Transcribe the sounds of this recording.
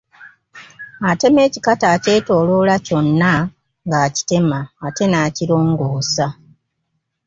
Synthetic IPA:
ate̞me̞ːcikataːce̞ːto̞ːlolaco̞nːa | ŋɡaːci̥te̞maːte̞naːciɾo̞ːŋɡoːsa

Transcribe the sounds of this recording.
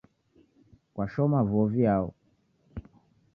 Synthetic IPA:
kwʔaʃɔmavɔviaɔ̰

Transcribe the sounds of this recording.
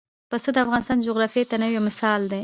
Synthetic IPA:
pəsəd̪əafɣɑnɪst̪ɑnd͡ʒʊɣɾɑfjet̪anəwjemɪsɑld̪e

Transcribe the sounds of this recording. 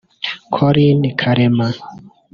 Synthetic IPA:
kʰɔɾinikʰaɾɛma

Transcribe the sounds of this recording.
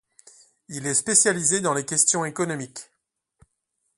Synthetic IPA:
ilɛspesjalized̪ɑ̃lekʲɛst̪jɔ̃ekɔnɔmik

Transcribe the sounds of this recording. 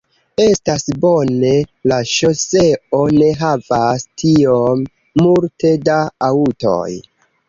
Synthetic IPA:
e̞stasbo̞ne̞laʃo̞se̞o̞ne̞ɦavastʰio̞mː | ulte̞daauto̞̰j

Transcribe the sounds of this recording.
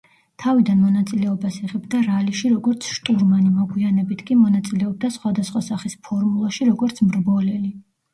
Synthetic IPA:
t̪ʰavid̪anmɔnat̪sʼilɛɔbasiʁɛbd̪aɾaliʃiɾɔɡɔɾt̪sʰʃt̪ʼuɾmanimɔɡwianɛbit̪ʰkʼimɔnat̪sʼilɛɔb̚d̪asχwad̪asχwasaχispʰɔɾmulˠaʃiɾɔɡɔɾt̪sʰmɾbɔlɛli

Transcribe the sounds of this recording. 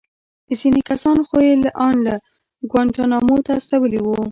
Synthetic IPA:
əsinikasɑnxoelʔɑnla | ɡwaɳʈanɑmot̪aːst̪awəliwu

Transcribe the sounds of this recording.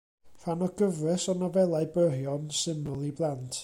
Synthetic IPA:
fanɔɡ̥əvwɛsɔnɔvɛlˠaɨbəɦjɔnsɪməlˠiblˠantʰ

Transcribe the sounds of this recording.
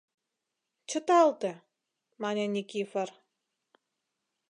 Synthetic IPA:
t͡ɕə̆t̪ɑlt̪ĕ | mɑnʲenʲikifər

